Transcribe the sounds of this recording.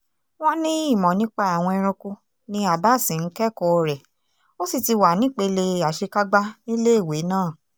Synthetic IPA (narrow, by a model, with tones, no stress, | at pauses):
w̃ɔ̃˦nĩ˦i˦˨mɔ̃˨nĩ˦k͡pa˦a˨w̃ɔ̃˧ɛ˧ɾ̃ũ˧ku˧ | nĩ˧a˨ba˦˨sĩ˨n̩˦kɛ˦˨kɔ˧ɾɛ˨ | o˦si˦˨ti˧wa˨˦nĩ˨˦k͡pe˧le˧a˨ʃe˧ka˦ɡ͡ba˦nĩ˦le˦i˦˨we˨˦nãː˦˨